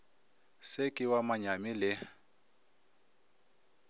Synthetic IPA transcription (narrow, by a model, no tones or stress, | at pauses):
sekʼɪwamaɲamɪlɪ